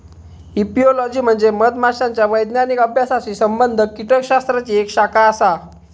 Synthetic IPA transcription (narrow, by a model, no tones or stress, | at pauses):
ipiolɔd͡ʑiːm̤əɳd͡zeməd̪maɕaɲt͡ɕjaʋəjd̪njanikəbʱjasaɕiːsəmbənd̪ʱəkiʈʰəkɕast̪ɾat͡ɕiekɕakaəsa